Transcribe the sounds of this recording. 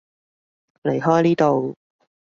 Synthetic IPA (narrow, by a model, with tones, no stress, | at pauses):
le˨˩jɦɔː˥jliː˥t̪o˨w